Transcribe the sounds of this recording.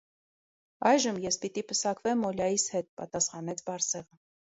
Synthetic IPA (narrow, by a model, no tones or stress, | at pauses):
ɑjʒəmjɛspit̪ipəsɑkvɛmɔljɑjishɛt̪̚pɑ̰t̪ɑsχɑnɛt͡sʰbɑɾsɛʁə